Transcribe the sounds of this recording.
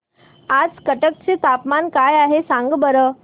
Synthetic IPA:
ad͡zkəʈək̚t͡set̪apmankajaɦesãŋɡbəɾə

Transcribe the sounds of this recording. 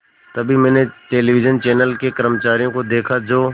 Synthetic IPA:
t̪ɐbʱimɛ̃ːneʈeːliʋɪd͡ʒənt͡ʃɛːnəlkekəɾəmət͡ʃaːɾijõkod̪eːkʰad͡ʒoː

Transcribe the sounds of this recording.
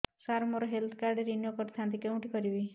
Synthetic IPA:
saɾmoɾɔɦelt̪ʰkaɾɖeɾinjokɔʈt̪ʰant̪ikeũʈikɔɾibi

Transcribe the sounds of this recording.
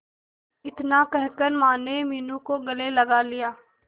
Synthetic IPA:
ɪt̪nakɛɦkəɾmaːnemiːnũkoɡɐlelɐɡalijaː

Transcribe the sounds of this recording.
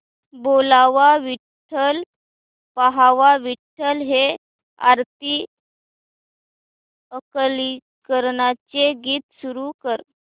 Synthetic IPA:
bolaʋaʋi | ʈʰəl | paɦaʋaʋiʈʰːəlɦe | a̰ɾt̪i | əkli | kəɾɳat͡seɡiːt̪suɾukəɾ

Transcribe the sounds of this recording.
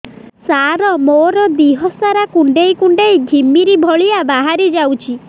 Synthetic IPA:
saɾɔmoɾɔd̪iɦɔsaɾakuɳɖejkuɳɖejɡʱimiɾibʱɔɭiabaɦaɾid͡ʒawt͡ʃʰi

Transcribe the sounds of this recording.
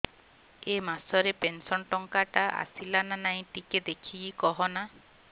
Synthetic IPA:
emasɔɾepensɔnʈɔŋkaʈaʔa̰silananaĩʈiked̪ekʰiikɔɦɔna

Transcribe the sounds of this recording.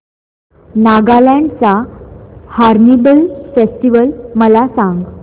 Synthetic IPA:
naɡalaɳɖt͡sa | haɾnibəlfesʈiʋəlməlasãŋɡ

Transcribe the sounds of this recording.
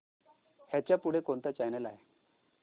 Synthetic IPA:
hjat͡ɕjapuɽ̤ekont̪at͡ɕajnɛlaɦe

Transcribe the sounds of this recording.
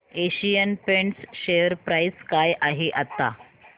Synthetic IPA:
eɕijənpeɳsɕejəɾpɾajskajʔaɦeʔat̪ːa̰

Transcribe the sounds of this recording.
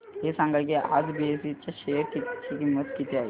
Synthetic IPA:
ɦesãŋɡaɭkia̰d͡zbiesit͡ɕjaɕejəɾkit͡ɕikimːət̪kit̪eaɦḛ

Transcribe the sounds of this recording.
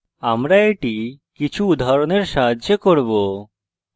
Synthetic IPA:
amɾaeʈikit͡ɕʰuud̪ʱaɾoneɾʃaɦadd͡ʑekoɾbo

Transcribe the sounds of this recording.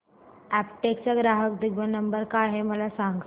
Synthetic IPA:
æpʈek̚t͡ɕaɡɾaɦək̚d̪iɡʋənːəmbəɾkaɦeməlasaŋɡ

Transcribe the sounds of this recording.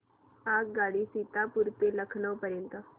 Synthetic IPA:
aːkɡaːɽisiːt̪aːpʊɾt̪eləkʰnəpəɾɪnt̪ə

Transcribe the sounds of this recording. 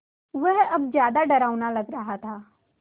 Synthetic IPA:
ʋəɦɐbzjaːd̪aɖɐɾaːʋnalɐɡɾɐɦat̪ʰaː

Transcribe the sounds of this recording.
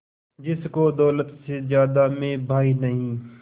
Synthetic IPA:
d͡ʒɪskod̪ɔːlət̪sezjaːd̪amẽbʱaːinɐɦĩː

